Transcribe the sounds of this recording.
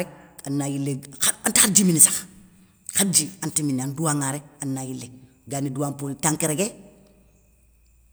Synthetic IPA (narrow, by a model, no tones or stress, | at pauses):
ɾek̚anːajilːeaantaxad͡ʒiminisḁx | kad͡ʒiantiminanduwaŋaɾek̚anːajilːe | ɡaniduwampoltaŋkeɾeɡe